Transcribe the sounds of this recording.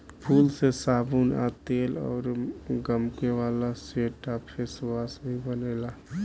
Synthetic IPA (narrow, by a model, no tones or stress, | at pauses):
pʰulsesabuna̰t̪elɔ̰ːɾɡəmkeʋalaseʈapʰeswasbʱibənela